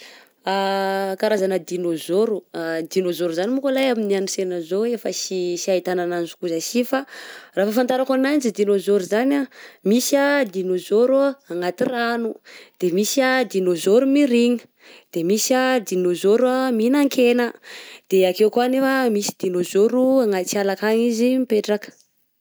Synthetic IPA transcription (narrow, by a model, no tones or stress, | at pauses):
akaɾazanəd̪inozoɾuad̪inozoɾuzanimukalajaminianusenazoefəsisiait̪anananzu̥kuzasifarafafant̪aɾakanand͡ʒid̪inozoɾuzanamisad̪inozoɾuaaŋat̪iranud̪̥emisad̪inozoɾumiɾiɲi̥ | d̪̥emisad̪inozoɾaminaŋkʰenəd̪̥eakewkuanefamisi̥d̪inozoɾuaŋat̪t͡sialakaŋizimipeʈ͡ʂakə̥